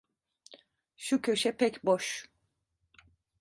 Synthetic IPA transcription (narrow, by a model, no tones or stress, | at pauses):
ʃucʰø̞ʃɛpʰɛcboʃ